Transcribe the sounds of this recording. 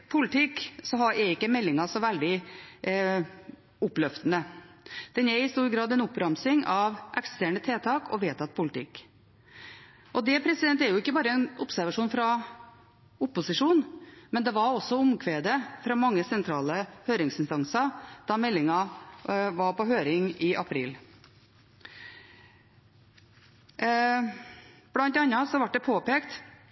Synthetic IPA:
pʰʊlɪt̪ʰɪkːsɔɦɑɾæɾɪkːəmɛlːɪŋɑsɔʋæld̪ɪ | ʊpːlœft̪ənəd̪̥ɛnɛɾɪst̪uːɾɡɾɑːd̪ɛnʊpːɾɑmsɪŋʔɑʋʔɛkst̪æːɳət̪ʰeːt̪ʰɑːkʰɔ̰ʋeːt̪ʰɑt̪̚ːpʰʊlɪt̪ʰɪkː | ʔɔd̪ɛpʰɾɛsɪd̪ɛnt̪ːɛɾjʊɪkːəbɑːɾəɛnʊpsæɾʋɑʂuːnfɾɑ | ʊpʊsɪʂuːnmɛnd̪ɛʋɑɾɔsːɔʊmkʰʋeːd̪əfɾɑːmɑŋːəsɛnt̪ʰɾɑːləhøːɾɪŋsɪnst̪ɑŋsɑd̪̥ɑmɛlːɪŋɑ | ʋɑɾpɔɦøːɾɪŋɪʔɑpʰɾḭːl | b̥lɑnt̪ɑnːɑsɔʋɑʈ̚ːd̪ɛpʰoːpeːkt̪

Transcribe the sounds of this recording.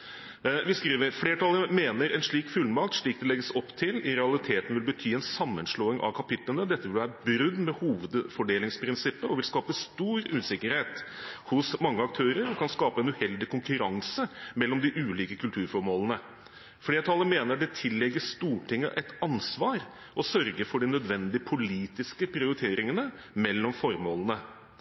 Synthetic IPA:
ʋɪskɾiːʋəɾfɽeːʈʰɑləmeːnəɾɛnʂɭiːkfʉlmɑkt̪ʂɭiːk̚d̪ɛlɛɡːəsɔpːt̪ʰɪlɪɾɛɑlɪt̪ʰeːt̪ən̩ʋɪlbət̪ʰyːɛnsɑmːənʂɭoːɪŋʔɑ̰ʋkʰɑpɪt̪lənəd̪ɛt̪ːəʋɪlʋæːɾəbɾʉd̪ːmɛhuːʋəd̪fɔɖeːlɪŋspʰɾɪnsɪpːəɔʋɪlskɑːpəst̪uːɾʉːsɪkːəɾheːt̪hʊsmɑŋːəɑk̚t̪ʰøːɾəɾkʰɑnskɑːpəɛnʉhɛld̪ɪkʰʊŋkʉɾɑŋsəmɛlːɔmd̪ɪʔʉːliːkəkʰʉlt̪ʰʉːɾfɔɾmoːlənə | fleːʈ̪ʰɑləmeːnəɖɛt̪ʰɪlːɛɡːəʂt̪uːʈɪŋːə̰ʔɛt̪ɑnsʋɑːɾ | ɔsœɾɡəɾfɔɖɪnœd̪ʋɛnd̪ɪəpʰʊliːt̪ɪskəpʰɾɪʊɾɪt̪ʰeːɾɪŋənə | mɛlːɔmfɔɾmoːlənə

